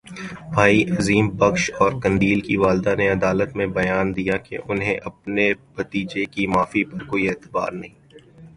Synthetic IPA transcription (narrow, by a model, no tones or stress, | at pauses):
bʱaːiʔɐziːmbɐkʃɔːɾkɐ̃ɳɖiːlkiʋaːld̪aneɐd̪aːlət̪mẽbɐjaːnd̪ijakḛʔʊnɦḛ̃ʔɐpnebɐt̪iːd͡ʒekimaːfipɐɾkoːieːt̪ɪba̰ːɾnɐɦĩː